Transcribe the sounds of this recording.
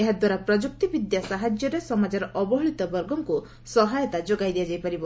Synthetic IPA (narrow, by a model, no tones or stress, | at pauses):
eɦad̪waɾapɾɔd͡ʒuk̚t̪ibid̪jasaɦad͡ʒjɔɾesɔmad͡ʒɔɾɔʔɔbɔɦɔɭit̪ɔbɔɾɡɔŋku | sɔɦajɔt̪ad͡ʒoɡajd̪iad͡ʒajpɔɾibɔ